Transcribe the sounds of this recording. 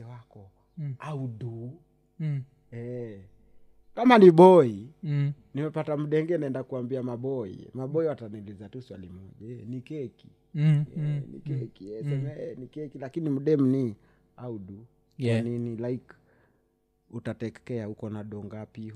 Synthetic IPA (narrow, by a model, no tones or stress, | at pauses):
ɛwakɔ | auɗu | ɛ | kamaniɓɔi | nimɛpatam̩ɗɛŋɡɛnaɛndakuambiamaɓɔḭmaɓɔiwataniulizatuswa̰limɔʄaɛnikɛki̥ | ɛnḭkɛkiɛsɛmɛɛnikɛkilakinim̩ɗɛm̩ni | auɗu | janinilaik | utatɛkɛahukɔnaɗɔŋɡapi